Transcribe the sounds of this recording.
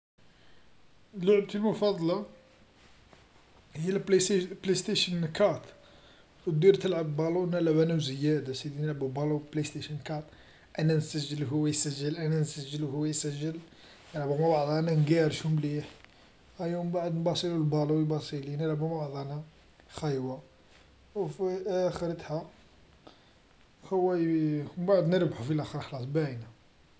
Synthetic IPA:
lʊʕbt̪əlmʊfɑd̪ˤlɑ | həjːælplest̪eʃənkɑɾt̪ | wət̪̚d̪iɾt̪əlʕəbːɑlunələʕbænæwzəjæd̪asid̪inəlʕbubɑluplest̪eʃənkɑt̪ | ʔænænsəʒːəlɦʊwːæjsəʒːəlʔænænsəʒːəlhʊwːæjsəʒːəl | nəlʕbumawaʕd̪ˤænænɡiɾʃumliħ | ʔæjumbaʕəd̪nbɑsˤilulbɑlubɑsˤilinəlʕbumbaʕd̪ˤɑna | xæjwa | wfiʔæxəɾət̪ħa | həwːæjbaʕd̪nəɾbħufilʔæxəɾˤxlɑs̬ˤbæʕinæ

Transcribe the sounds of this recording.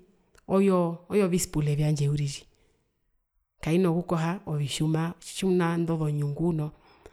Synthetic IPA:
ɔjɔɔjɔvisi̥pulɛvjaɲd͡ʒɛuɾiʒi | kainɔkukɔɦaɔviʃumaʃumnandɔðɔɲuŋɡunɔ

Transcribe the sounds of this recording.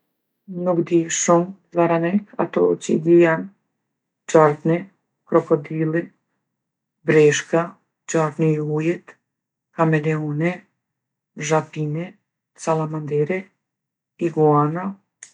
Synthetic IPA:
nukd̪iʃumzaɾanɛka̰t̪ɔt͡ʃḭdijan | t͡ʃaɾt̪nɛ | kɾɔkɔd̪ilɛ | bɾɛʃka | t͡ʃaɾt̪nɛujɛt̪ | kamɛlɛɔnɛ | ʒapinɛ | salˠamand̪ɛɾɛ | iɡuana

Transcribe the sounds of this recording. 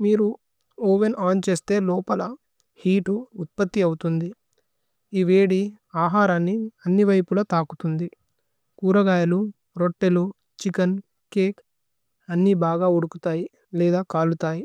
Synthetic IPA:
miːɾu | oːʋenaːnt͡ʃe̞ːst̪e̞ːlɔːpɐlɐ | hiːʈuːt̪̚pɐt̪ːiɐwut̪und̪i | iʋeːɽi | aːɦaːɾanːiɐnːiʋɐjpulɐt̪aːkut̪und̪i | kuːɾɐɡaːjɐlu | ɾoʈːelu | t͡ʃikɐn | keːk | ɐnːibaːɡaːuɽukut̪aːji | lɛːd̪aːkaːlut̪aːji

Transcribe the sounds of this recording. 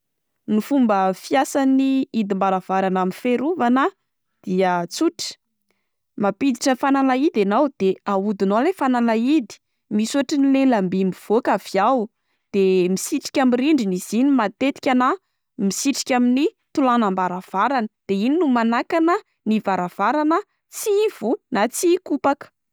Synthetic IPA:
nifumbəfiasaniid̪imbaɾav̥aɾanaminfeɾuvanə | d̪̥iət͡suʈ͡ʂi̥ | mapid̪iʈ͡ʂəfanalaid̪anawd̪̥eaud̪inolefanalaid̪i̥ | misuaʈ͡ʂinilelambimbiv̥okav̥iaw | d̪̥emisiʈ͡ʂi̥kʲamiɾiɳɖ͡ʐiniz̥inimat̪et̪i̥kʲana | misiʈ͡ʂi̥kʲamini | t̪ulanambaɾav̥aɾanəd̪̥eininumanakanə | nivaɾav̥aɾanə | siv̥unat͡sikupakə̥

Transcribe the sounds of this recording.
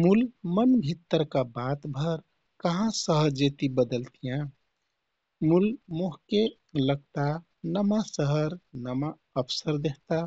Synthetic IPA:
mulmənbʱit̪ːəɾkabat̪bʱəɾ | kəɦãsəɦəɾd͡ʒet̪ibəd̪əlt̪ijã | mulmoɦke | ləɡ̚t̪a | nəmasəɦəɾnəma | əpʰsəɾd̪eɦt̪a

